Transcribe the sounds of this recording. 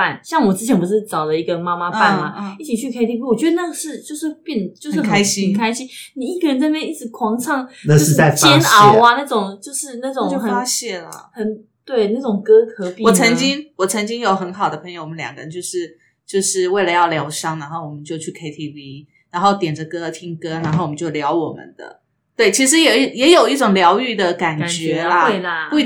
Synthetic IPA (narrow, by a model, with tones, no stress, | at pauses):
pa˥˩nɕjɑ˥˩ŋwɔ˨˩ʈ͡ʂɻ̩˥t͡ɕʰjɛ˧˥npu˧˥ʂɻ̩˥˩t͡sɑ˨˩ʊd̪ə˦i˧˥ɡə˧ma˥ma˧pa˥˩nma˩i˥˩t͡ɕʰi˨˩t͡ɕʰy˥˩kʰe˥ɪt̪ʰi˥pi˥wɔ˨˩t͡ɕɥɛ˧˥d̪ə˧na˥˩ʂɻ̩˥˧t͡ɕjo˥˧ʊʂ̬ɻ̩˥˧pjɛ˥˩nt͡ɕjo˥˧ʊʂ̩˥˩kʰa˧˥ɪɕi˥ə˨˩nkʰa˥ɪɕi˥nni˨˩i˥˩ɡə˨˩ɻə˧˦nt͡sa˥˧pjɛ˥˧ni˥˩ʈ͡ʂɻ̩˧˥kʰwɑ˧˥ŋʈ͡ʂʰɑ˥˩ŋna˥˧ʂɻ̩˥˧˥a˥˩ɪt͡ɕɛ˥nɑ˨˥˦ʊa˦na˥˩ʈ͡ʂʊ˨˩ŋt͡ɕjo˥˧ʊʂɻ̩˥˧na˥˩ʈ͡ʂʊ˨ŋjo˥˧xə˨˩a˥ɕjɛ˥˩lə̰˩xə˨˩n | t̪we˥˩ɪna˥˩ʈ͡ʂʊ˨˩ŋkɤ˥kʰɤ˧pi˥wɔ˨˩t͡sʰə˧˥ŋt͡ɕi˥ŋwɔ˨˩t͡sʰə˧˥ŋt͡ɕi˥ŋjo˨˩ʊxə˧˥nxɑ˨˩ʊd̪ə˦pʰə˧˥jo˧ʊwə˦˧ljɑ̰˨˩ŋɡə˧ə˧˦t͡ɕjo˥˧ʊʂɻ̩˥˧ | t͡ɕjo˥˧ʊʂɻ̩˥˧we˥˩ɪlə˨˦jɑ˥˩ʊljɑ˧˥ʊʂɑ˥ŋna˧˥nxo˥˩ʊwɔ˨˩mə˦nt͡ɕjo˥˧ʊt͡ɕʰy˥˩kʰe˥ɪt̪ʰi˥˩vi˥ | na˧˥nxo˥˩ʊt̪jɛ˨˩nd͡ʒə˦kɤ˦˥˧t̪ʰi˥ŋkɤ˥na˧˥nxo˥˩wɔ˨mə˦nt͡ɕjo˥˩ʊljɑ˧˥ʊwɔ˨˩mə̰˨˦nd̪̥ə̰˨˩ | t̪we˥˩ɪt͡ɕʰi˧˥ʂ̬ɻ̩˧˥jɛ˨˩i˥˩jɛ˧˥jo˨˩ʊi˥˩ʈ͡ʂʊ˨˩ŋljɑ˧˥ʊy˥˩d̪ə˩ka˨˩n˨t͡ɕɥɛ˧˦la˧˥˩